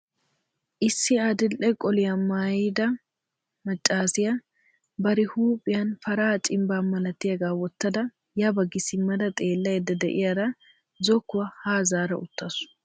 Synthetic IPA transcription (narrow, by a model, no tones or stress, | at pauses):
ʔɪsːɪɐd̪ɪlʔɛkʼɔlɪjɐmaːjɪd̪ɐ | mɐt͡ʃʼːaːsɪjɐ | bɐɾɪhuːpʼɪjɐnfɐɾaːt͡ʃʼɪmbaːmɐlɐt̪ːɪjɐɡaːwɔt̪ːɐd̪ɐ | jɐbɐɡɪsɪmːɐd̪ɐt̪ʼe̞ːlːɐjɛd̪ɐd̪ɛ̰ʔɪjɐɾɐ | zɔkːʊwɐhaːzaːɾɐʔʊt̪ːɐsʊ̥